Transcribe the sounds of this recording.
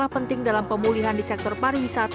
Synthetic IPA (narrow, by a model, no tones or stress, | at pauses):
lahpənt̪ɪŋdalampəmuliɦandisɛk̚t̪ɔrpaɾiwisat̪